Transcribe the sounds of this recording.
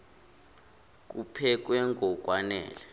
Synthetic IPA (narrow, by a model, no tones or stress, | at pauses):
k̬upʰɛk̬wɛŋʱɔk̬ʼwanɛ̰ːlɛ